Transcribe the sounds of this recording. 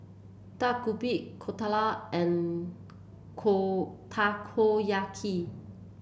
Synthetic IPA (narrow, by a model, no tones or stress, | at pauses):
t̪akubiʔkʰot̪ʰalaɛ̃n | kʰot̪ʰakʰojakʰi